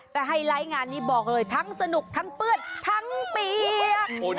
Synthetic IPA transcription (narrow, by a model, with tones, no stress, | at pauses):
t̪ɛː˨˩ɦa˥˩jɾaː˦˥jŋaː˧nːiː˦˥bɔː˨˩k̚lɤː˧jt̪ʰa˦˥ŋsa˧nu˨˩k̚t̪ʰa˦˥ŋpɯ˥˩ənt̪ʰa˦˥ŋpiː˧